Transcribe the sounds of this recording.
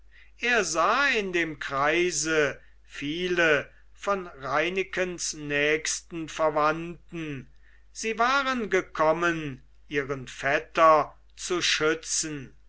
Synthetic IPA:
ʔeːɐzaːɪndeːmkʁ̥aɪzə | fiːlə | fɔnʁaɪnɪkənsnɛːkstn̩fɛɐvantn̩ | z̥iːvaːʁənɡəkʰɔmən | ʔiːʁənfɛtɐ | t͡suʃʏt͡sn̩

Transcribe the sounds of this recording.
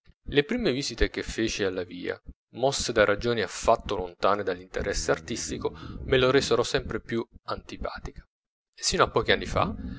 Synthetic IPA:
lepɾiːmeviːzit̪ekefːeːt͡ʃialːavḭːa̰ | mɔsːed̪arad͡ʒoːniafːat̪ːolont̪aːned̪alːint̪ḛɾʔɛsːeart̪ist̪ikomeloɾɛːseɾɔsɛmpɾepjuant̪ipa̰ːt̪ikḁ | sːiːnoapːɔːk̟ianːifa̰

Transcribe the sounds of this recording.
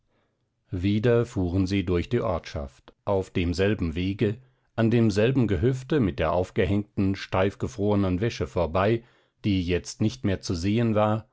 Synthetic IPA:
viːdɐfuːʁənziːdʊɐçd̥iːʔɔɐtʃa̰ftʔaʊfd̥eːmzɛlbm̩veːɡə | ʔandeːmzɛlbm̩ɡəɦʏftəmɪt̚d̥eːɐʔaʊfɡ̥əɦɛŋk̚tn̩ʃtaɪfɡ̥əfʁ̥oːʁənənvɛʃəfoːɐbaɪ | d̥iːjɛt͡stnɪçtmeːɐt͡suzeːənvaːɐ

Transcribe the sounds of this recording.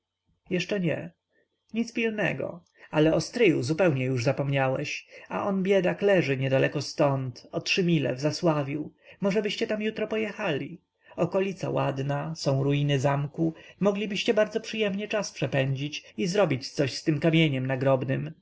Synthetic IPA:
jɛʂt͡ʂɛɲɛ̰ | ɲit̪zpʲilnɛ̰ɡɔ̰ | alɛɔst̪ɾɘjuzupɛwɲɛjuʐzapɔmɲawɛ̰ɕa̰ʔɔnbʲjɛd̪aklɛʐɘɲɛd̪alɛkɔst̪ɔnt̪ɔtʂɘmʲilɛ̰vzaswavʲiwmɔʐɛbɘɕt͡ɕɛt̪amjut̪ɾɔpɔjɛxalʲi | ɔkɔlʲit̪sa̰wad̪nasɔ̃w̃ɾujinɘzamkumɔɡlʲibɘɕt͡ɕɛbaɾd̪zɔpʂɘjɛmɲɛt͡ʂaspʂɛpɛɲd͡ʑit͡ɕizɾɔbʲit͡ɕt̪sɔɕst̪ɘmkamʲjeɲɛmnaɡɾɔbnɘm

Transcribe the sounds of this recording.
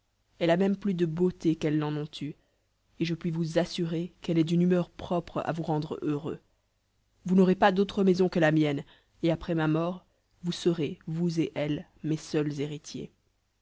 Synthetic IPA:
ɛlamɛmplyd̪əbot̪ekɛlːɑ̃nɔ̃t̪ʰy | eʒəpɥivuzasyʁekɛlɛd̪ynymœʁpχɔpχa̰vuʁɑ̃d̪ʁøʁø̰ | vunɔʁepad̪ot̪χəmɛzɔ̃kəlamjɛn | eapχɛmamɔːʁ | vusəʁevuzeʔɛl | mesœlzeʁit̪ʰjḛ

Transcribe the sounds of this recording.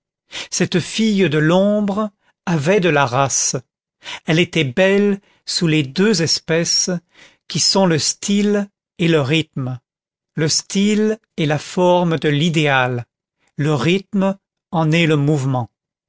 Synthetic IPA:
sɛt̪fijd̪əlɔ̃bʁ | avɛd̪əlaʁas | ɛlet̪ɛbɛl | suled̪øzɛspɛs | kʲisɔ̃ləst̪ʰil | eləʁit̪m | ləst̪il | ɛlafɔʁmd̪əlid̪ealː | əʁit̪m | ɑ̃nɛləmuvmɑ̃

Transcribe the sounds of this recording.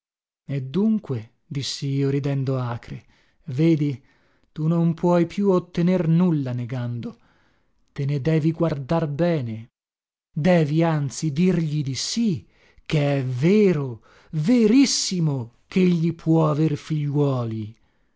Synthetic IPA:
ed̪ːuŋkwe | d̪isːiiːoɾid̪ɛnd̪oaːkɾe | veːd̪i | t̪unompʰwɔjpjuot̪ːenernulːaneɡand̪o | t̪ened̪ɛːviɡward̪arbɛːne | d̪ɛːviant̪sid̪irʎid̪isi | kːeɛveːɾo | veɾisːimokʰeeʎːipʰwɔaverfiʎːwɔːli

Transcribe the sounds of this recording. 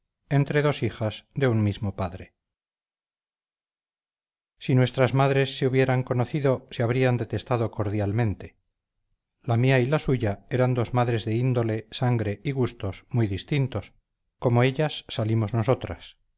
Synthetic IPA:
ent̪ɾe̞ðo̞siχazðe̞unmizmo̞paðɾe | sinwe̞st̪ɾazmaðɾe̞sːeuβje̞ɾaŋko̞no̞θiðoseaβ̞ɾiand̪e̞t̪e̞st̪aðo̞ko̞ɾðjalmẽ̞nt̪e̞̥ | lamiailasuʝae̞ɾand̪o̞zmaðɾe̞zðe̞ind̪o̞le̞saŋɡɾe̞iɣust̪o̞smujðist̪int̪o̞s | ko̞moe̞ʎasːalimozno̞so̞t̪ɾas

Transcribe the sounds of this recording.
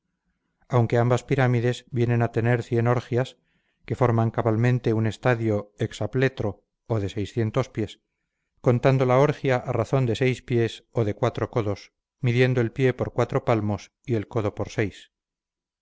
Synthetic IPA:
awŋke̞ambaspiɾamiðe̞zbje̞nẽ̞nat̪e̞ne̞ɾθje̞no̞ɾxjas | ke̞fo̞ɾmaŋkaβalmẽ̞nt̪e̞une̞st̪aðjo̞eksaple̞t̪ɾo̞ː | ðe̞se̞jsθje̞nt̪o̞spje̞s | ko̞nt̪and̪o̞lao̞ɾxjaʔaraθo̞nd̪e̞se̞jspje̞so̞ðe̞kwat̪ɾo̞ko̞ðo̞s | miðje̞nd̪o̞elpje̞poɾkwat̪ɾo̞palmo̞s | ie̞lko̞ðo̞po̞ɾse̞js

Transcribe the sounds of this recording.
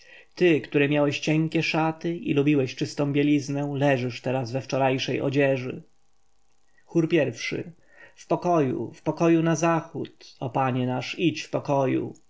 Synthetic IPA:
t̪ɘkt̪uɾɛmʲjawɛɕt͡ɕɛŋkʲɛʂat̪ɘḭlubʲiwɛɕt͡ʂɘst̪ɔ̃w̃bʲjɛlʲiznɛ̃lɛʐɘʂt̪ɛɾazvɛft͡ʂɔɾajʂɛjʔɔ̰d͡ʑɛʐɘ̰ | xuɾpʲjɛɾfʂɘ̰ | fpɔkɔjṵfpɔkɔjunazaxut̪ɔpaɲɛnaʂit͡ɕfpɔkɔjṵ

